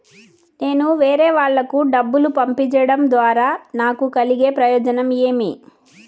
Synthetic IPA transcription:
ne̞ːnuʋeːɾɛːʋaːɭːɐkuɖɐbːulupɐmpiɲt͡ʃɐɽɐmd̪ʋaːɾaːnaːkukɐliɡe̞ːpɾɐjɔːd͡ʒɐnɐme̞ːmi

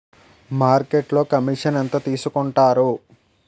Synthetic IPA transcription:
maːɾkeʈlo̞ːkɐmiʂɐnɐnt̪ɐt̪iːsukuɳʈaːɾu

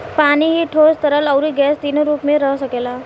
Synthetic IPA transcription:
paniɦiʈʰost̪əɾəlʌwɾiɡɛsd̪inoɾupmeɾʌɦsəkela

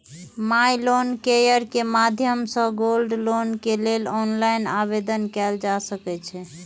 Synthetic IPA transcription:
majlonkejəɾkemad̪ʱjəmsə̃ɡolɖlonkelelɔnlajnabed̪ənkɛld͡ʒasəkɛt͡ʃʰɛ

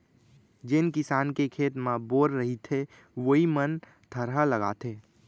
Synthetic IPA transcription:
d͡ʒɪnkɪsaːnkekʰeːt̪mãboːɾɾəɦit̪ʰe | ʋoɦimən | t̪ʰəɾɦaləɡa̰ːt̪ʰeː

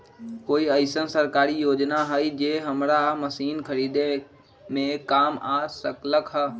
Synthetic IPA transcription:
koːiəɪsənsəɾkaːɾijoːd͡ʒnaɦəid͡ʒeːɦɐmɾaməsiːnkʰɐɾiːd̪e | mẽkaːmaːsəkləkɦə

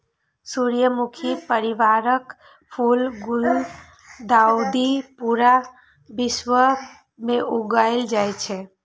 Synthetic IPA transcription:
suɾjəmukʰipəɾiʋaɾək | pʰulɡul | d̪aud̪ipuɾa | bɪʃʋə | mẽʔuɡaɪld͡ʒajt͡ʃʰe

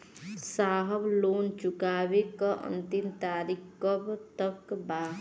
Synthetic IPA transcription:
saːɦəbloːnt͡ʃʊkaːwekaʔə̰̃nt̪imt̪aːɾɪkkəbt̪əkbaː

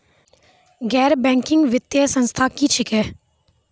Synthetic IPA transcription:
ɡɛːɾbɛ̃ːŋkɪ̃ŋɡʋɪt̪jəsə̃nst̪ʰakit͡ʃʰɪkɛː

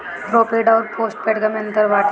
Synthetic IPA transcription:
bɾoːpeːɖɔːɾpoːsʈ̚peʈɡɐmɐ̃nt̪əɾʋaːʈ

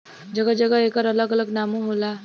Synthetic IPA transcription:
d͡ʑəɡəd͡zəɡəekaɾələɡələɡnamuɦola

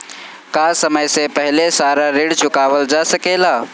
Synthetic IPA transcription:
kaːsəməjsepəɦɪlesaːɾaɾiɽt͡ʃʊkaːʋəld͡ʒaːsəkelaː

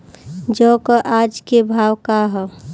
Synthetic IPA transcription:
d͡ʒɔkəʔad͡ʒkebʱawkaɦɛ

